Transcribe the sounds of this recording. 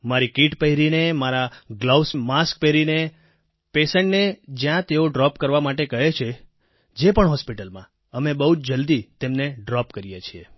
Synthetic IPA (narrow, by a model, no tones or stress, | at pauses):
maɾikiʈpəɦiɾinemaɾaɡlawsmask̚pəɦɾine | pesəɳʈned͡ʒjãt̪eoɖɾɔpkəɾʋamaʈekəɦet͡ʃʰe | d͡ʒepəɳɦɔspiʈəlmã | əmebəɦut͡ʃd͡ʒəld̪it̪emneɖɾɔpkəɾijet͡ʃʰie